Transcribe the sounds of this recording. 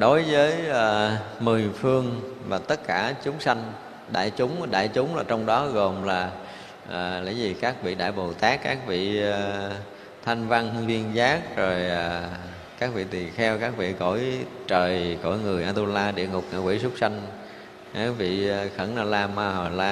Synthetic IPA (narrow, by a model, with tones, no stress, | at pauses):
ɗo˨˦jvəː˨˦jʔəː˨˩mɨ˨˩əjfɨ˧əŋvaː˨˩t̪ə˦˥t̚kaː˧˩t͡ɕʊ˨˦ŋ͡msa˧jŋ̟ | ɗa̰ː˧˨jt͡ɕʊ˨˦ŋ͡mɗa̰ː˧˨jt͡ɕʊ˨˦ŋ͡mlaː˨˩t͡ɕɔ˧wŋ͡mɗɔ˨˦ɣo˨˩mlaː˨˩ | ʔːla̰ː˧˥˩jzi˨˩kaː˦˥k̚ɓḭ˧˨ɗa̰ː˧˨jɓo˨˩t̪aː˦˥kːa̰ː˦˥k̚vḭ˧˨˩ | t̪ʰa˧jŋ̟va˧nhzi˧ənzaː˦˥k̚zo˨˩jʔaː˨˩ | kaː˦˥k̚vḭ˧˨t̪i˨˩xɛ˧wkaː˦˥k̚vḭ˧˨ko̰˧˩˨jt͡ɕəː˨˩jko̰˧˩˨jŋɨ˨˩əʔaː˧t̪u˧laː˧ɗḭ˧˨əŋʊ˨˩k͡p̚ŋa̰ː˧˩kwḭ˧˥˦sʊ˦˥k͡p̚sa˧jŋ̟ | kaː˦˥k̚vḭ˧˨˩xə˧˩nʔaː˧˩laː˧maː˧˨˩laː˧